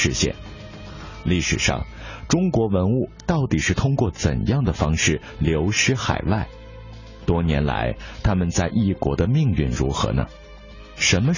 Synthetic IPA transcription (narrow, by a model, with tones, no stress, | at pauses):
ɻ̩˥˧ɕjɛ̰˥˩n | li˥˩ʂɻ̩˨˩ʂɑ̰˥˩ŋ | ʈ͡ʂʊ˥ŋkwɔ˧˥wə˧˥nu˥˩t̪ɑ˥˩ʊt̪i˨˩ʂɻ̩˥˩t̪ʰʊ˥ŋkwɔ˥˩t͡sə̰˨˩njɑ˥˩ŋd̪ə˩fɑ˥ŋʂɻ̩˥˩ | ljo˧˥ʊʂɻ̩˥xa̰˨˩ɪwa˥˩ɪ | t̪wɔ˥njɛ˧˥nla̰˧˥ɪt̪ʰa˥mə˨nt͡sa˥˧ɪʔi˥˩kwɔ̰˧˥d̪ə˧mi˥˧ŋy̰˥˩nɻṵ˧˥xɤ̰˧˥nə̰˧˩ | ʂə˧˥nmə˧